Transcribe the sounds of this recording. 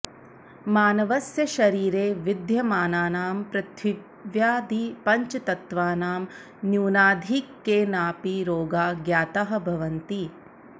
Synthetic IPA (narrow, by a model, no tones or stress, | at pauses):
maːnɐʋɐsjɐʃɐɾiːɾeːʋid̪ʱjɐmaːnaːnaːmpɾɐt̪ʰʋi | ʋjaːd̪ipɐɲt͡ʃɐt̪ɐt̪ʋaːnaːm | njuːnaːd̪ʱikːeːnaːpiɾoːɡaːɡjaːt̪aɦɐ̆bʱɐʋɐnt̪i